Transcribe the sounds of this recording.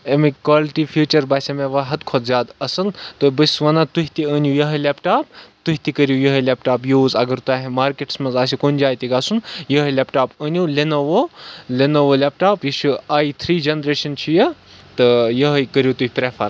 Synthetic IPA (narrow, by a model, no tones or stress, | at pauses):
emikʋaːliʈifʰjuːt͡ʃɐɾbaːsʲɐmẽʋɐɦɐd̪kʰod̪zjaːd̪ɐsɐlt̪ɨbəsʲʋɐnat̪uɦʲit̪iəːnjujɐɦlepʈaːp̚t̪uɦʲit̪ikəɾjujɐɦɐlʲepʈaːpjuːzɐɡɐɾt̪uaːɦmaːɾkeʈsmɐnzaːs̬ʲikonʲd͡ʒaːjt̪iɡaːsunjɐɦəlʲepʈaːpəːnʲjulenoʋolenoʋolʲep̚ʈaːpjiʃuaːit̪ʰɾiːd͡ʒenɾeːʃɐnt͡ʃʰujɐt̪ɨjɐɦɐkəɾʲjut̪uɦʲipɾefʰɐ̰ɾ